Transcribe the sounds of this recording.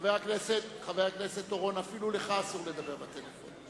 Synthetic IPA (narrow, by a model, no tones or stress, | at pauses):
veakneset̪χaveakne̞se̞t̪ːoʁo̞nafiluleχasuʁle̞d̪abe̞ʁbat̪elefo̰n